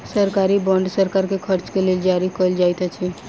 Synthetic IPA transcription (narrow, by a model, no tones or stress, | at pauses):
səɾkaːɾibɔ̃ːɳɖsəɾkaːɾkekʰəɾt͡ʃkelied͡ʒaːɾikold͡ʒaːit̪at͡ʃʰi